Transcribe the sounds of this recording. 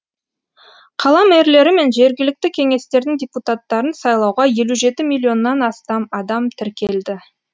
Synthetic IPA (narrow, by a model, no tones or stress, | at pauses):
qʰɑlˠɑmeɾle̞ɾɪme̞nʒe̞ɾɡʲɪlɪk̚t̪ɪkʲʰe̞ŋe̞st̪e̞ɾd̪ɪŋd̪ʲeput̪at̪ːɑɾənsɑjlˠɑwʁɑje̞luʒe̞t̪ɪmilʲːio̞nːɑnɑst̪ɑmɑd̪ɑmt̪ʰɪɾkʲe̞ld̪ɪ